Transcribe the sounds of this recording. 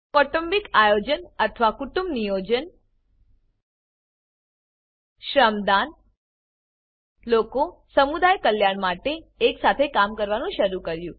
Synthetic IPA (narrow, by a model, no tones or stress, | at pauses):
kɔʈəmbikajod͡ʒənət̪ʰəʋakuʈumbnijod͡ʒən | ʃɾəmd̪an | lokosəmud̪ajkəljaɳmaʈeːksat̪ʰekamkəɾʋanũʃəɾukəɾjũ